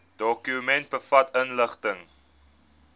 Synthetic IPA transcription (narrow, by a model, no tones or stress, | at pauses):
d̥ɔkymɛnt̚bəfɐtənləχtəŋ